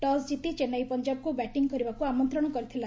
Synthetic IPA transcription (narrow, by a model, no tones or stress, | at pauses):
ʈɔsd͡ʒit̪it͡ʃenajpɔnd͡ʒabɔkubɛʈiŋɡkɔɾibakuamɔnt̪ɾɔɽ̃ɔkɔɾit̪ʰila